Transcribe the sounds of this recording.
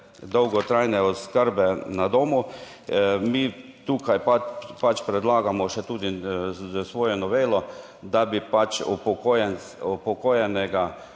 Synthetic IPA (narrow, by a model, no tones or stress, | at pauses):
d̪ɔwɡɔt̪ɾajnɛɔskəɾbɛnad̪oːmu | miːt̪uːkajpapat͡ʃpɾɛd̪laːɡamɔʃɛt̪uːd̪i | sʋoːjɛnɔʋeːlɔ | d̪abipat͡ʃɔ̰pɔkojɛn | ɔpɔkoːjɛnɛɡa